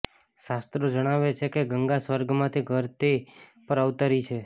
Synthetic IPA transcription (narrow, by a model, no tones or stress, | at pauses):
ʃast̪ɾod͡ʒəɽ̃aʋet͡ʃʰekeɡəŋɡasʋəɾɡmãt̪ʰiɡʱəɾt̪epəɾəʋt̪əɾit͡ʃʰe